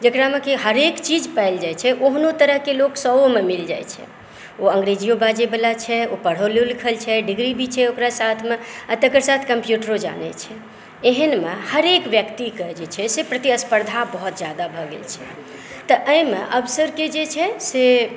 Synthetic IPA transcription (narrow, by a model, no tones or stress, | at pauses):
d͡ʒəkɾamekiɦəɾekt͡ʃid͡ʒpəɪld͡ʒajt͡ʃʰɛʔoɦnot̪əɾəɦkeloksəomemild͡ʒa̰jt͡ʃʰɛ̰ | oə̃ŋɡɾed͡ʒijobad͡ʒebelat͡ʃʰɛopəɽ̤olelikʰəlt͡ʃʰɛɖiɡɾibʱit͡ʃʰɛokɾasat̪ʰmeat̪əkəɾsat̪ʰkəmpjuʈəɾod͡ʒa̰nɛ̰t͡ʃʰɛ | eɦənmehəɾekbjəkt̪ikəd͡ʒet͡ʃʰɛsepɾət̪iəspəɾd̪ʱabəɦut̪̚d͡ʒjad̪abʱɔɡḛlt͡ʃʰɛ | t̪əʔəjmḛʔəbsəɾked͡ʒet͡ʃʰɛse